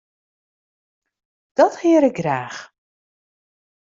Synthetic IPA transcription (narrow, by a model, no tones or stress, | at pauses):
d̥ɔthɪəɾɪk̚ɡraːx